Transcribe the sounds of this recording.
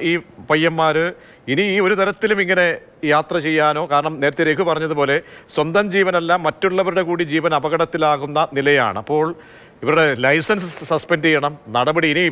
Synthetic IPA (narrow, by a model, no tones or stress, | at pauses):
iːpɐjːɐmːaːɾɨ | iniːo̞ɾut̪ɐɾɐt̪ːilumiŋːɐne̞ | jaːt̪rɐt͡ɕe̞jːaːno̞ːkaːɾɐɳɐmne̞ːɾɐt̪ːɐɾekːɨpɐrɐɲːɐðupo̞ːle̞swɐnd̪ɐmd͡ʑiːʋɐnɐlːamːɐtːuɭːɐʋɐɾuɽe̞kuːɽid͡ʑiːʋɐnɐbɐɣɐɽɐt̪ːilaːɣunːɐnilɐja̰ːɳɨɐpːo̞ːɭ | iʋɐɾuɽe̞lɐjsɐnsɨsɐspɐndejːɐɳɐmnɐɽɐbɐɽiːni